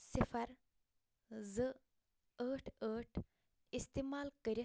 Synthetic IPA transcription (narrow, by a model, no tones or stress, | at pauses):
sifɐɾ | zɨ | əːʈʰəːʈʰ | ist̪iːmaːlkəɾi